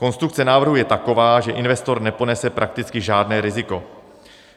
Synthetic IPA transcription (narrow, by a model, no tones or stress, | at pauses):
ko̞nst̪ɾuk̚t͡sɛnaːvr̩ɦujɛt̪akovaːʒɛʔɪnvɛst̪o̞ɾnɛpo̞nɛsɛpɾʔak̚t̪ɪt͡skɪʒaːdnɛːɾɪzɪko̞